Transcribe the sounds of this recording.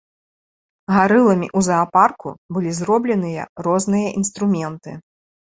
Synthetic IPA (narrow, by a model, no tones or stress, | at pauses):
ɣaɾɨlˠɐmʲḭʔuzɐːparkṵbɨlʲizɾɔblʲɛnɨjɐ̰rɔznɨjɐʔinst̪ɾumʲɛnt̪ɨ